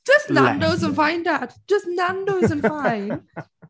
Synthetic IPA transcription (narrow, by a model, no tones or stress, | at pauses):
d̥ʒ̥ʌstnãndoʊzə̃nfãɪ̃ndat̚d̥ʒ̥ʌstnãndoʊzə̃nfafɪ̃n